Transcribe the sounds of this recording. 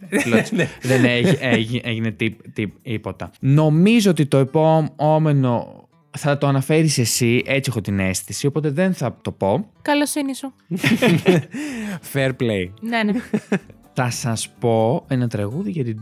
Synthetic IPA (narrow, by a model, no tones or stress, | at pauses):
loðeneeʝieʝinet̪it̪iipo̞t̪ɐno̞mizoot̪it̪o̞epo̞mome̞no̞̰ | θɐt̪oɐnɐfe̞ɾise̞siʔe̞t͡siexot̪ine̞st̪isio̞pot̪e̞ðe̞nθɐt̪o̞po̞kɐlosinisu | feɾpleiene | θɐsɐspo̞enɐt̪ɾɐɣuðiʝɐt̪i